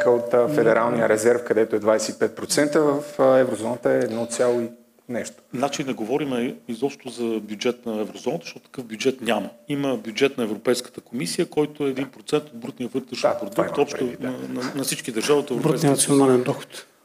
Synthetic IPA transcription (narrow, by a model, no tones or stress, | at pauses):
kəot̪fɛd̪ɛɾalˠnijəɾɛzɛɾfkɐd̪ɛt̪oɛd̪vajsɛipɛt̪̚pɾot̪sɛnt̪əvəfɛvɾozɔnət̪əɛːd̪nɔt̪sʲjalˠoi | nɛʃt̪o̥nat͡ʃind̪ɐɡovɔɾimɛizɔpʃt̪ʊzɐbʲjud͡ʒɛt̪nɐɛvɾozɔnət̪əʃt̪ɔt̪ʊt̪kɤfvbʲjud͡ʒɛt̪nʲaməiməbjud͡ʒɛt̪nɐɛvɾopɛjskə̥t̪əkomisijəkɔjt̪ʊɛːd̪inpɾot̪sɛnt̪od̪̚bɾut̪nijəvɤt̪ɾɛʃpɾod̪ukkt̪ɔpʃt̪onɐnnɐfsit͡ʃkid̪əɾʒaviot̪ɛvɾɾbɾuninɐt̪sionalɛnd̪ɔxo̥t̪